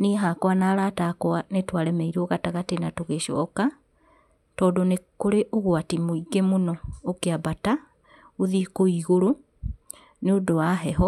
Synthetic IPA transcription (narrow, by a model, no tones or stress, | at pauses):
neɦakwanaːɾatakwanetwaɾɛmɛiɾɔɣataɣatenatoɣeʃɔ̰ka | tɔːdonekoɾeʔoɣwatimoiɡemonɔokeabata | oðikoiɣoɾo | neodoaɦɛɦɔ